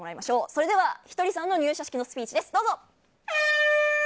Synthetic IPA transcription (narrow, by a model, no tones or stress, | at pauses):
moɾaimaɕo̞ːso̞ɾe̞d̪e̞βaçi̥t̪o̞ɾʲisãnːo̞ɲ̟ʲɨːɕaɕi̥kʲino̞sɨ̥pʲiːt͡ɕid̪e̞sɨ̥d̪o̞ːzo̞